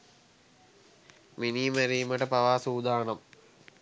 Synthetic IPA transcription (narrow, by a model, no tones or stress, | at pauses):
miniːmæɾiːməʈəpaʋaːsuːd̪aːnɐm